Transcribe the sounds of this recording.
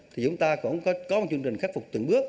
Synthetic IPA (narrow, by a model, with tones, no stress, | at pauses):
t̪ʰi˨˩t͡ɕʊ˨˦ŋ͡mt̪aː˧kʊ̰˧˥ŋ͡mkɔ˨˦kɔ˨˦m̚˨˩t͡ɕɨ˧ə˧ŋt͡ɕï̟˨˩xaː˦˥k̚fʊ˨˩k͡p̚t̪ɨ̰˧˩ŋɓɨ˦˥ək̚